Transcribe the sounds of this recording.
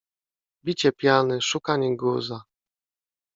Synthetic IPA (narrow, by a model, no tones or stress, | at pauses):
bʲit͡ɕɛpʲjanɘʂukaɲɛɡuza